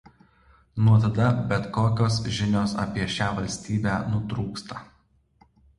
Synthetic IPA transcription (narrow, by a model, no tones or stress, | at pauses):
nuɔt̪ɐd̪ɐbʲɛt̪koːkʲoːs̬ʒʲɪnʲoːsɐ̰pʲiɛʃʲæːʋɐlʲsʲt̪ʲiːbʲæːnʊt̪ɾuːkst̪ɐ